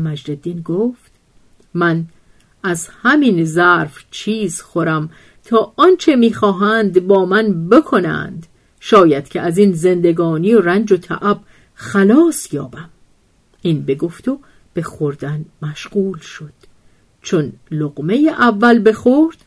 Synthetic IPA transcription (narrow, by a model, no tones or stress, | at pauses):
mæd͡ʒded̪ːiːnɡoːft̪ | mæn | æzhæminzæɾft͡ʃʰiːzxoɾæm | t̪ʰɒːʔɒnt͡ʃʰe̞miːxɒːɦænd̪bɒːmænbe̞kʰo̞næ̰nd̪ | ʃɒːjæd̪̥̚cʲʰeʔæziːnze̞nd̪e̞ɡɒːnijorænd͡ʒot̪ʰæ̰ʔæb̥ | xælɒːsjɒ̰ːbæm | inbe̞ɡo̞ft̪o | b̥e̞xoɾd̪ænmæʃɢuːlʃo̞d̪̥ | t͡ʃʰonloɣme̞jeʔævːælbe̞xoɾd̪̥